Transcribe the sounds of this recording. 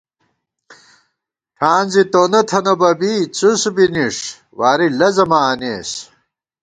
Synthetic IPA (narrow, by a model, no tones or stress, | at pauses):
ʈʰaːnzit̪oːnɐt̪ʰɐnɐbɐbit͡susbiniʂ | waːɾilɐzɐmaːneːs